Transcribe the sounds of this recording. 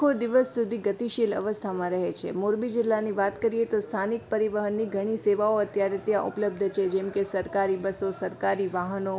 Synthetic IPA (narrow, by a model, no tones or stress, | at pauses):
od̪iʋəsːud̪ʱiɡət̪iʃilə̰ʋəst̪ʰamãɾəɦet͡ʃʰḛmoɾbid͡ʒɪlːaniʋat̪kəɾijet̪ost̪ʰanik̚pəɾiʋəɦənːiɡʱəɽ̃iseʋaoət̪jaɾet̪jãʔṵpələb̚d̪ʱt͡ʃʰed͡ʒɛmkesəɾkaɾibəsosəɾkaɾiʋaɦəno